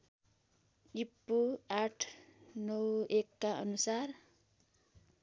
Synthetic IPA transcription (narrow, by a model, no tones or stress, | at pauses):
ipːuaʈʰnʌwekːaʌ̰nusar